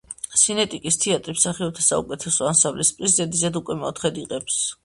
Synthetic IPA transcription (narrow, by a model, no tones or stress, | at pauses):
sinɛt̪ʼikʼist̪ʰɛat̪ʼɾipsaχiɔb̚t̪ʰasaṵkʼɛt̪ʰɛsɔansamblɛispʼɾiszɛd̪izad̪ukʼwɛmɛɔ̰t̪ʰχɛd̪iqʼɛps